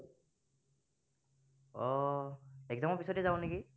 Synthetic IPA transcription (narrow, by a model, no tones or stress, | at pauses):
ɔ | ɛk̚dɔmɔpisɔtɛzaõneki